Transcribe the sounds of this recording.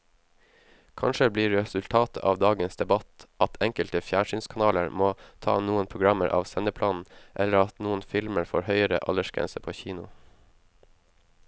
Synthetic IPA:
kʰɑnʃəbliːɾɹɛsʉlt̪ʰɑːt̪əʔɑːʋd̪ɑːɡənsd̪ɛbɑt̪ʔɑt̪ʰɛŋkəlt̪əfjæːɳʂyːnskʰɑnɑːləɾmoːt̪ʰɑ̰ːnuːənpʰɾʊɡɾɑməɾʔɑ̰ːʋsɛnəpʰlɑːnn̩ʔɛlːəɾɑt̪nuːənfɪlməɾfo̰ːɾhœʏəɾə̰ʔɑ̰ləʃɡ̥ɾɛ̰nsəpʰoːçiːnʊ

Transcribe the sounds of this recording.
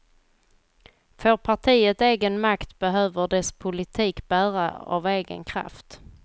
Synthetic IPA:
føːɾpʰaʈʰiːət̪eːɡənmakt̪b̥ɛɦøːvəɖɛspʰʊlɪt̪ʰiːkbæːɾa̰a̰veːɡə̰nkʰɾa̰ft̪

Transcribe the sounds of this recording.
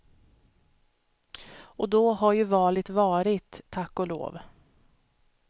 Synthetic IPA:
ʔɔd̪ɔɦaɾjɵvɑːlɪt̪vɑːɾɪt̪ʰːakːɔlo̰ːv

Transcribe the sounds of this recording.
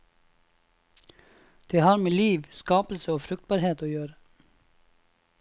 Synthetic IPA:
d̪̥eːhɑːɾmeːliːʋskɑːpl̩səoːfɾʉk̚t̪̚bɑːɾheːt̪oːjøːɾə

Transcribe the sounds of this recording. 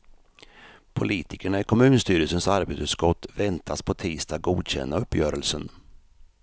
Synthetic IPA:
pʰʊliːt̪ʰɪkəɳaɪkʰɔmʉ̟ːnst̪yːɾəsənsaɾbet̪sʉ̟t̪skɔt̪ːvɛnt̪ʰaspʰɔt̪ʰiːst̪ʰɑːɡɡuːd̪ɕɛ̰nːaɵpːjœːɾəlsən

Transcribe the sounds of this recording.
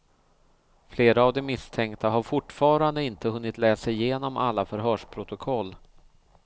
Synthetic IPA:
fleːɾaːvd̪ɛmɪst̪ʰɛŋkt̪aɦaɾfʊʈːfɑːɾand̪əɪnt̪əhɵnːɪt̪lɛːsaɪjeːnɔma̰lːafœɾɦœːʂpʰɾʊt̪ʊkʰɔlː

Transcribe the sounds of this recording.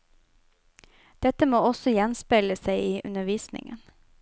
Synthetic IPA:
d̪̥ɛt̪əmoːɔsɔjɛnspeləsæɪiːʔʉ̰nəʋiːsnɪ̰ŋə̰n

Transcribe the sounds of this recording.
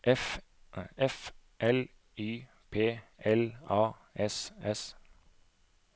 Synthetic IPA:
ʔɛf | ɛfʔɛl | yː | pʰeːɛlɑː | ɛsɛs

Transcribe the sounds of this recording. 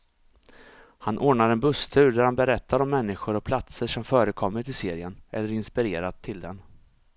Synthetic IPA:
hanʔoːɳaɾɛnbɵst̪ʰʉ̟ːɾɖ̪æɾhanbɛɾɛt̪ʰːaɾɔmːɛnːɪɧʊɾɔpʰlat̪səʂɔmfœːɾəkʰɔmːət̪ɪseːɾɪənɛlːəɾɪnspɪɾeːɾat̪ʰːɪld̪ɛn

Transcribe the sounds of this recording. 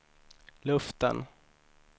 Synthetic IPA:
lɵft̪ə̰n

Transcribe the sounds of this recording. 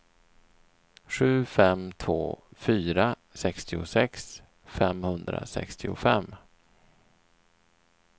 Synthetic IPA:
ɧʉ̟ːfɛmt̪ʰvo̰ːfyːɾa | sɛkst̪ɪʊsɛks | fɛmhɵnd̪ɾa̰sɛ̰kst̪ʰɪʊfɛmː

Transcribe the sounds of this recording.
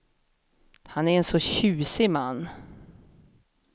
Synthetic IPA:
hanæɾɛnsɔɕʉ̟ːsɪmanː

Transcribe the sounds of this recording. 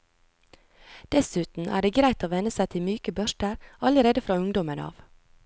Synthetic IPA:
d̪̥ɛsʉːt̪n̩ʔæ̰ːɖeːɡɾæɪt̪oːʋɛnəsæɪt̪ʰɪmyːkəbœʃʈəɾɑləɾeːd̪əfɾɑːʉŋd̪ɔmənɑ̰ːʋ

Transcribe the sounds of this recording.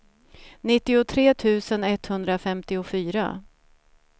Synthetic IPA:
nɪt̪ːɪʊt̪ʰɾeːt̪ʰʉ̟ːsənɛt̪hɵnd̪ɾafɛmt̪ɪʊfyːɾa̰

